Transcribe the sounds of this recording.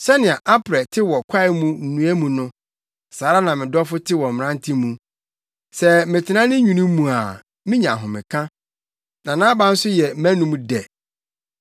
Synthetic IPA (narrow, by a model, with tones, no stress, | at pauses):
sɛ˦nɪ̃˨a˨ʔa˦pʰɾɛ˨tʰɪ˦wɔ˨kʷʰa˦ɪ˨˦mũ˦n̩˨nũ˨˦æ˦mũ˨nʊ̃˦ | saː˨˦ɾa˦nã˨mɪ̃˨dɔ˦fʊ˦tʰɪ˦wɔ˨m̩˨m˨nã˦n˦tʰĩ˦mũ˨ | sɛ˦mɪ̃˨tʰɪ˨nã˦nɪ̃˦ɲũ˨nũ˦mũ˨a˨ | mɪ̃˦ɲã̰˨ɦʊ̃˨mɪ̃˨kʰã˦ | nã˨nã˦bã˦n̩˦sʊ˦jɛ˨˦mæ̃˦nũ˦mũ˦dɛ˨